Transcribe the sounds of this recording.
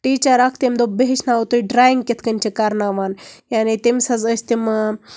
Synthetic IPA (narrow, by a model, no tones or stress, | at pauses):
ʈiːt͡ɕɐɾak̚ʰt̪emd̪obeɦeʃnaot̪uiɖɾaːjiŋɡkʲet̪ʰkɐnʲt͡ʃekaɾnaʋaːnjaːnit̪emsɐzəsʲt̪im